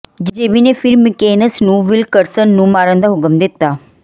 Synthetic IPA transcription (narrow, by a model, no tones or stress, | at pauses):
d͡ʒd͡ʒeːʋinefʰɪɾmɪkeːnəsnũːʋɪlkəɾsənːũːmaːɾənd̪aːɦʊkəmd̪ɪt̪ːaː